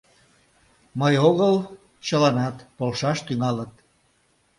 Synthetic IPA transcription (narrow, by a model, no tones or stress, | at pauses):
məjoɣəl | t͡ɕəlɑnɑt̪polʃɑʃt̪yŋɑlət̪̚